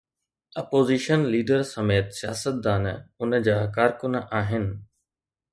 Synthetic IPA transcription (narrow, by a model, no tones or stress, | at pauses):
ɐpoːziːʃənliːɖəɾsɐmeːt̪sija̰ːsət̪̚d̪aːnʊnəd͡ʑaːkaːɾkʊnʔaːɦɪnɪ̆